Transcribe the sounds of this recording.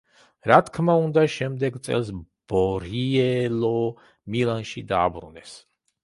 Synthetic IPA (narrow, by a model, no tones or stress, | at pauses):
ɾat̪ʰkʰmaund̪aʃɛmd̪ɛɡt̪sʼɛ̰lˠsb̥ɔɾiɛlɔ | milˠanʃid̪aːbɾṵnɛs